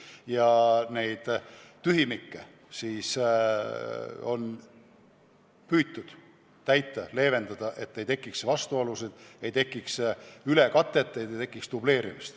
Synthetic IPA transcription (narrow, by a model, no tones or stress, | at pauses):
jɑne̞jd̪̥t̪yɦimikːe | siːs | o̞̰n | pyːt̪ːˑud̪̥ | t̪æjt̪ːˑɑle̞ːve̞nd̪̥ɑd̪̥ɑʔe̞t̪ːe̞jt̪e̞kːˑiksvɑst̪uolused̪̥e̞jt̪e̞kːˑiksylekɑt̪ˑːe̞t̪ːˑejd̪et̪e̞kːˑikst̪uble̞ːɾimist̪